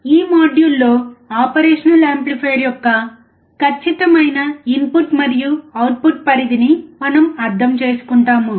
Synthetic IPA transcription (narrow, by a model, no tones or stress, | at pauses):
iːmaːɖjulːo̞ːaːpɐɾeːʂɐnɐlaːmplipʰeːɾjɔkːɐ | kɐt͡ʃːit̪ɐmɐjnɐimpuʈmɐɾijuɐwʈ̚puʈ̚pɐɾid̪inimɐnɐmɐɾd̪ʱɐmt͡ʃe̞ːsu̥kuɳʈaːmu